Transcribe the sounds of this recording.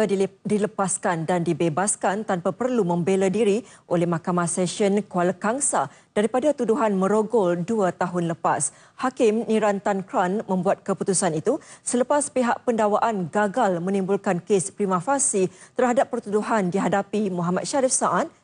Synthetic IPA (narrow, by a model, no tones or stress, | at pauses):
diləpaskandandibebaskant̪anpapərlumə̃mbeladiɾi | ʔolɛhmakamãhsɛʃənkualəkaŋsa | d̥aɾipadat̪uduɦanmə̃ɾoɡɔlduat̪aɦʊnləpas | hakɪmnĩɾant̪ankɾanmə̃mbuat̪̚kəput̪usanit̪usələpaspiɦaʔpəndawaʔanɡaɡalmə̃nĩmbulkankespɾimãfasit̪ərhadap̚ːərt̪uduɦandiɦadapimuɦamat̪̚ʃaɾifsaʔat̪̚